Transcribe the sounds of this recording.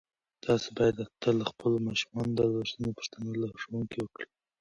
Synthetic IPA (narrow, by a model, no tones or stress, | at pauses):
d̪̥ɑsebɑjad̪at̪alaxpəlomɑʃu̥mɑnod̪əlwaʃənopə̥ʂt̪analaʂawuŋkewəkɽi̥